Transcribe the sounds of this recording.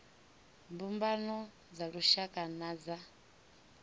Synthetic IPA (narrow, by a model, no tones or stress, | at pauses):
mbumbanɔ | d͡zaɺuʃakʼanad͡za